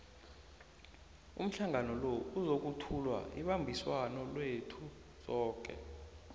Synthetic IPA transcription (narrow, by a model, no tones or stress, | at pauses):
ṵm̩ɬaŋanɔlouzok̬utʰulwa̰iɓambʱiswanɔlwetʰu | zɔːk̬ʼɛ̰